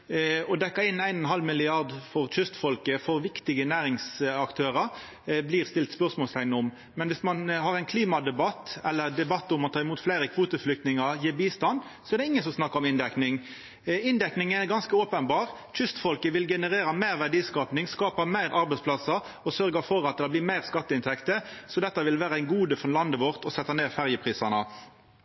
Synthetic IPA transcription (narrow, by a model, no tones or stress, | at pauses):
ɔd̪ɛkːəɪnːæɪnɔnɦɑlmɪlɪɑʁd̪fɔʁc͡çʏst̪fɔlkəfɔɾʋɪkt̪ɪɡənæːɾɪŋsɑkt̪ʰøːɾəɾ | blɪːʁst̪ɪlt̪spœʁsmɔːlst̪æɪnəʊm | mɛnʋɪsmɑnɦɑːʁæɪnkʰliːmɑd̪ɛbɑt̪ɛlːəɾd̪ɛbɑt̪ːʊmːɑnt̪ʰɑːɪmuːt̪flæɪɾəkʰʋuːt̪əflʏk̚t̪nɪŋɑjiːbiːst̪ɑn | sɔɛʁɾd̪ɛɪŋːənsɔmsnɑkːəɾɔmɪnd̪ɛknɪŋ | ɪnd̪ɛknɪŋɛɾɡɑnskəoːpənbɑːʁ | c͡çʰʏst̪fɔlkəʋɪlɡɛnəʁeːɾɑmæɪɾʋæʁɖiːskɑːpnɪŋskɑːpəmæɪɾʔɑɾbɛɪspʰlɑsə | ɔsœɾɡəfɔɾɑt̪̚d̪ɛblɪːmæɪʁskɑt̪ːəɪnt̪ʰɛkt̪əsɔd̪ɛt̪ːɑʋɪlʋæːɾəæɪnɡuːd̪əfɔlɑnd̪əʋɔʁt̪ɔsɛt̪ːəneːfæʁjəpʰʁiːsɑnə